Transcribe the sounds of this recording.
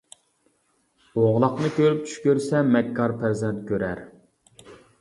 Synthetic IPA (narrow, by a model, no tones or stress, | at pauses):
oʁlˠɑqnɨkʲʰøɾyp̚t͡ʃʰy̥ʃkʲøɾsɛmɛkʰːɑɾpʰæɾzɛnt̪̚kʲøɾæɾ